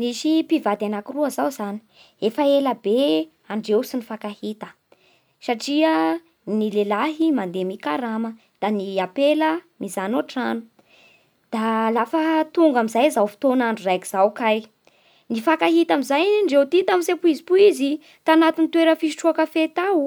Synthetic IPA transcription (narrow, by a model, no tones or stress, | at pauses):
niʃipivad̪anakiruəzawzani̥ | efəeləbe | aɳɖ͡ʐewsinifakahit̪ə̥ | saʈ͡ʂiə | nilelaɦimand̪emikaɾamə | d̪̥aniapeləmizanoʈ͡ʂanu | d̪̥alafət̪uŋɡamizajzawfi̥t̪onaɳɖ͡ʐurajkiz̥awkaj | nifakaɦit̪amizajɳɖ͡ʐewt̪it̪amsepuizipuizi | t̪anat̪int̪weɾəfisi̥ʈ͡ʂuakəfet̪aw